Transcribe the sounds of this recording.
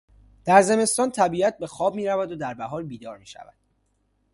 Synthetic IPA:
d̪̥æɾze̞me̞st̪ɒːnt̪ʰæbiːæt̪̚be̞xɒːb̚miːɾævæd̪od̪æɾbæɦɒːɾbiːd̪ɒːɾmiːʃæ̰væ̰d̪̥

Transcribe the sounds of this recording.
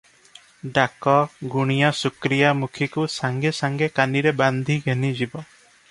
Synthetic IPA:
ɖakɔɡuɽ̃ijasukɾijamukʰikusaŋɡesaŋɡekaniɾeband̪ʱiɡʱenid͡ʒibɔ

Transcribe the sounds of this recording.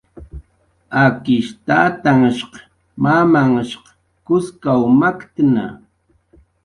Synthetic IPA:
akɪʃt̪aːt̪aŋaʃq | mamaŋaʃqɑ̥ | kʊskawmakt̪na̰

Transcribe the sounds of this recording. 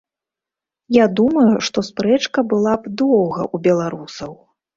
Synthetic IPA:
jad̪umɐjuʂt̪ɔspɾɛt͡ʂkɐbɨlˠapd̪ɔwɣɐ̰ʔubʲɛlˠaɾusɐw

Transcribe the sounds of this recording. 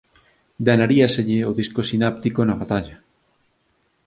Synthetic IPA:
d̪anaɾiaseʎɪoðiskosinap̚t̪ikonɐβat̪aʎa

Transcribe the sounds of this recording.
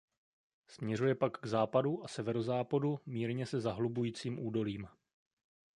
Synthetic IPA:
smɲɛrujɛpakɡzaːpaduʔasɛvɛɾo̞zaːpadumiːɾɲɛsɛzaɦlubujiːt͡siːmʔuːdo̞liːm

